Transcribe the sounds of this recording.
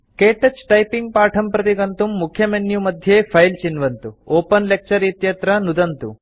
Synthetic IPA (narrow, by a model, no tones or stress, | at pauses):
keːʈɐt͡ʃːʈɐjpiŋɡ̚paːʈʰɐmpɾɐt̪iɡɐnt̪umːukʰjɐmenjumɐd̪ʱjeːpʰɐjlt͡ʃinʋɐnt̪uoːpɐnlek̚t͡ʃɐɾit̪jɐt̪ɾɐnud̪ɐnt̪ṵ